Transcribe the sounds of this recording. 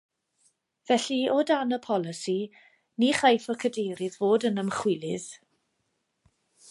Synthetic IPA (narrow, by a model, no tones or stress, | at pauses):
vɛɬiɔdanəpʰɔlˠɪsi | niχajfɔkʰədejɾɪðvoːdənəmχwɪlˠɪð̥